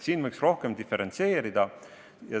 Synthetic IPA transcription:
siːnvɯjksro̞hke̞md̪ife̞ɾent̪se̞ːɾid̪̥ɑ | jɑ

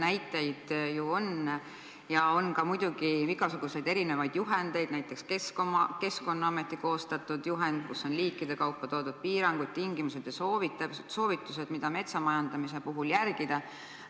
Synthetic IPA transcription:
næjt̪ːˑejd̪̥juo̞n | jɑo̞nkɑmujd̪̥uɡ̥iiɡɑsuɡ̥use̞jd̪e̞ɾine̞vɑjd̪̥juɦe̞nd̪̥e̞jd̪̥næjt̪ˑːe̞kskeskomɑke̞sko̞nːɑɑme̞t̪ːˑiko̞ːst̪ɑt̪ːˑud̪̥juɦe̞nd̪̥̚kusːo̞nliːkːˑid̪e̞kɑwpːɑt̪o̞ːd̪̥ud̪̥̚piːɾɑŋɡ̥ud̪̚t̪iŋɡ̥imuse̞d̪̥jɑso̞ːvit̪ːˑɑpset̪so̞ːvit̪ːˑuse̞d̪̥mid̪̥ɑme̞t̪sɑmɑjɑnd̪ɑmise̞puɦuljærɡ̥id̪̥ɑ

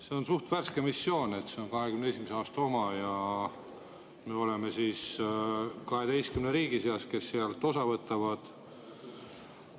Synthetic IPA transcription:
se̞o̞nsuht̪værskemisːjo̞ːne̞t̪ːse̞o̞nkɑɦe̞kymnee̞simeseɑːst̪ɑo̞mɑjɑ | meːo̞le̞me̞siːs | kɑɦe̞d̪e̞jst̪kymneɾiːɡ̥iseɑske̞sːeɑlt̪ˑo̞sɑvɤt̪ːˑɑvɑd̪̥

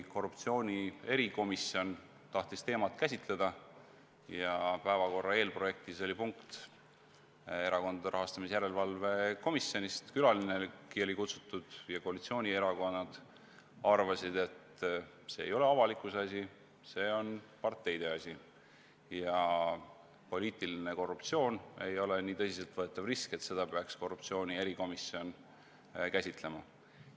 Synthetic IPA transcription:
ko̞rːupt̪sio̞ːnʲie̞ɾiko̞misːio̞n | t̪ɑht̪ist̪e̞ːmɑt̪kæs̬ʲit̪le̞d̪̥ɑ | jɑpæevɑko̞rːɑe̞ːlpro̞je̞k̚t̪iso̞lʲipuŋkt̪ | e̞ɾɑko̞nd̪ɑd̪eɾɑɦɑst̪ɑmisjæɾe̞lvɑlve̞ko̞misːio̞nist̪kylɑlinekio̞likut̪su̥t̪ːˑud̪̥jɑko̞ɑlit̪sio̞ːnʲie̞ɾɑko̞nːɑd̪̥ | ɑrvɑsid̪e̞t̪ | se̞ːjo̞le̞ɑvɑlikˑuseɑs̬ʲi | se̞ːo̞npɑrt̪ːˑe̞jd̪e̞ɑsʲi | jɑ | po̞lʲiːt̪ˑiline̞ko̞rːupt̪sio̞ːne̞jo̞le̞niːt̪ɤsise̞lt̪vɤe̞t̪ːˑɑvriske̞t̪se̞d̪̥ɑpeɑksko̞rːupt̪sio̞ːnʲie̞ɾiko̞misːio̞n | kæsʲit̪le̞mɑ

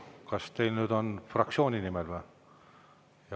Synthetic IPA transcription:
kɑst̪e̞jlnyːd̪o̞nfrɑkt͡ssio̞ːnʲinimelve | jɑ

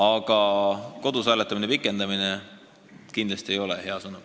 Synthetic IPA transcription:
ɑɡ̥ɑko̞d̪usæːlet̪ːˑɑminepikːˑe̞nd̪̥ɑmine | kind̪lɑst̪iejo̞leɦe̞ɑsɤnu

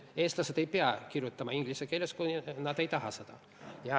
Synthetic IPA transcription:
eːslɑset̪ejpeækirjut̪ːɑmɑiŋɡ̥lisekelʲːeskunɑt̪ejt̪ɑɦɑsɑt̪ɑ̰ | jɑ

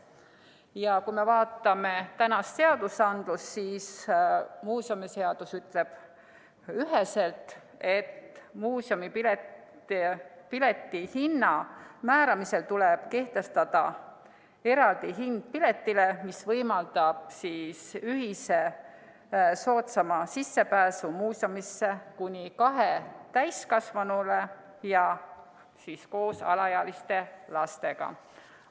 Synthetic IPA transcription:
jɑkuime̞vɑːt̪ːˑɑme̞t̪ænɑsse̞ɑd̪̥usɑnd̪̥lusːiːs | muːso̞mise̞ɑd̪̥usyt̪ːˑle̞b̥ | yɦese̞lt̪ | e̞t̪ːmuːsjomipile | pile̞t̪ːˑihinːɑmæːɾɑmise̞lt̪uleb̥ke̞ht̪e̞st̪ɑd̪̥ɑ̰ | e̞ɾɑld̪iɦind̪̥̚pile̞t̪ːile̞misvɤjmɑld̪ɑb̥̚siːsyɦise̞ | so̞ːt̪sɑmɑsisːe̞pæːsumuːsomisːe̞kunʲikɑɦet̪æjskɑsvɑnule | jɑ | siːsko̞ːsɑ̰lɑjɑlist̪e̞lɑst̪e̞ɡ̥ɑ̰

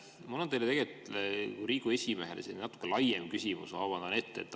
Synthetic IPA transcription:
mulːot̪elet̪eɡelt̪ut̪kuɾiːɡ̥ue̞sʲimeɦelʔesinnɑt̪ːˑu̥kːelɑjːemkysʲimṵsɑːvɑnd̪ɑne̞t̪ːḛt̪ː

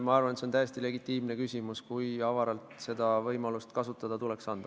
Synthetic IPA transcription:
mɑɑrvɑnet̪seont̪æjest̪ile̞ɡit̪ːˑiːmnekysʲimuskujɑvɑɾɑlt̪se̞d̪ɑvɤjmɑlust̪kɑsut̪ːˑɑd̪̥ɑt̪ule̞ksɑnd̪̥ɑ

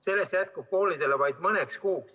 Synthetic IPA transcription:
se̞lːe̞st̪jæt̪̚kub̥̚ko̞ːlid̪̥e̞levɑjd̪̥mɤnekskuːks

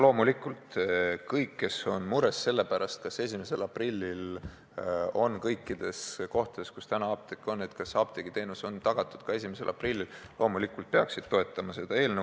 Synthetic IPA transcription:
lo̞ːmulikːˑult̪kɤjkːe̞so̞nmuɾe̞sːe̞lːe̞pæɾɑst̪̚kɑse̞sʲimese̞̰lɑprilʲːil | o̞nkɤjkːˑid̪̥e̞sko̞ht̪ɑd̥̪e̞skust̪ænɑɑp̚t̪ekːˑo̞nːe̞t̪kɑsɑːp̚t̪eɡ̥it̪e̞ːnuso̞nt̪ɑɡ̥ɑt̪ːˑu̥d̪̥kɑesʲimese̞̰lʔɑ̰prilːillʔo̞ːmulikːˑult̪̚peɑksid̪̥̚t̪o̞e̞t̪ːˑɑmɑse̞d̪̥ɑe̞ːlne

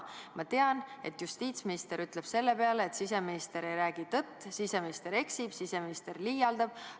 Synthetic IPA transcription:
mʔɑt̪e̞ɑne̞t̪ːˑjust̪iːt̪sminist̪e̞ɾyt̪ˑle̞b̥se̞lːe̞pe̞ɑleːt̪sis̬e̞minist̪e̞ɾejɾæːɡ̥it̪ɤt̪ːˑsise̞minist̪e̞ɾe̞ksib̥sise̞minist̪erlijɑld̪ɑb̥̚

